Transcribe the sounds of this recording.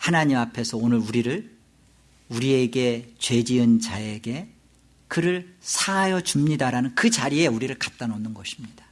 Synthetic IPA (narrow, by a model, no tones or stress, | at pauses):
hanaɲimapʰe̞sʰʌonɯɾuɾiɾɯɭ | uɾie̞ɡe̞t͡ɕwe̞d͡ʑiɯnt͡ɕae̞ɡe̞ | kɯɾɯɭsʰaajʌt͡ɕumɲidaɾanɯnkɯt͡ɕaɾie̞uɾiɾɯɭkat̚t͈anʌnːɯnɡʌɕʰi̥mɲid̥a